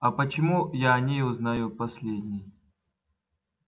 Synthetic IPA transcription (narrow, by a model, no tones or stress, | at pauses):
ɐpət͡ɕɪmujanʲejʊznajupɐsʲlʲedʲnʲɪj